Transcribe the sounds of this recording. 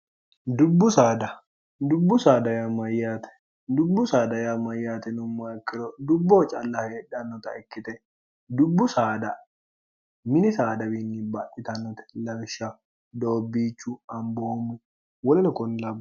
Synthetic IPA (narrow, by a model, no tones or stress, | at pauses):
d̪ʊbːʊsaːd̪ɐ | d̪ʊbːʊsaːd̪ɐjamɐjːaːt̪ɛ̥ | d̪ʊbːʊsaːd̪ɐjamɐjːaːt̪ɛnʊmːakːɪɾɔd̪ʊbːoːt͡ʃʼɐlːɐheːᶑɐnːɔt̪ɐ̰ɛkːɪt̪ɛ | d̪ʊbːʊsaːd̪ɐ | mɪnɪsaːd̪ɐwinːibaʔɪt̪ɐnːɔt̪ɛ̥lɐbʃa | d̪oːbːiːt͡ʃːuɐmboːmʊ | wɔlɪnɐkɔnlɐb